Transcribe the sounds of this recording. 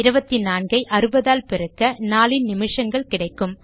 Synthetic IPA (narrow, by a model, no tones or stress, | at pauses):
ɪɾɯbɐt̪ːinaːnɡɐɪʔɐɾɯbɐðaːlpɪɾɯkːɐnaːlɪnnɪmɪʂɐŋɡɐɭkɪɽɐɪkːɯm